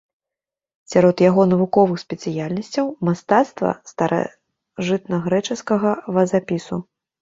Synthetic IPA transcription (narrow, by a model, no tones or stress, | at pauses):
sʲaɾɔt̪jaɣɔnɐvukɔvɨxsʲpʲɛt̪sɨjalʲnɐsʲt͡sʲɐwmast̪at̪st̪vɐ̰st̪ɐɾʔa̰ | ʐɨt̪̚nɐɣɾɛt͡ʂɛskɐɣɐvɐzapʲisu